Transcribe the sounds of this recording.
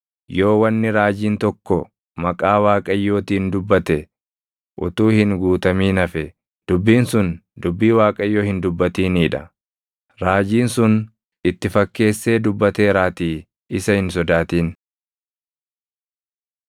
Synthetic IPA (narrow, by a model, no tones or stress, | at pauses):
jo̞ːwɐnːɪɾaːd͡ʒiːnt̪ɔkːɔ | mɐkʼaːwaːkʼɐjːo̞ːt̪iːnd̪ʊbːɐt̪ɛ | ʔʊ̰t̪uːhɪŋɡuːt̪ɐmiːnɐfɛ | d̪̥ʊbːiːnsʊnd̪ʊbːiːwaːkʼɐjːoːhɪnd̪ʊbːɐt̪iːniːᶑɐ̰ | ɾaːd͡ʒiːnsʊn | ɪt̪ːɪfɐkːe̞ːsːe̞ːd̪ʊbːɐt̪e̞ːɾaːt̪iː | ɪsɐhɪnsɔd̪aːt̪iːn